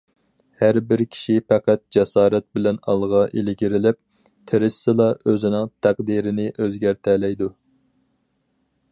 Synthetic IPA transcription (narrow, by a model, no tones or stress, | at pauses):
hæɾbɪɾkʲʰi̥ʃipæqæt̪̚d͡ʒɛsɑːɾɛt̪̚bɪlɛnɑlˠʁɑʔelɪɡʲiɾɪlɪp̚ | t̪ʰeɾɪsɨlˠɑʔøzɪnɪŋt̪ʰæqd̪iːɾɪnɪʔøzɡʲæɾt̪ʰɛlɛjd̪u